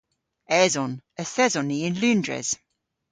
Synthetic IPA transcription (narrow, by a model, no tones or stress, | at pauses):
ɛzɔnəθɛzɔniɪ̃nlʉndɹɛ̰z̥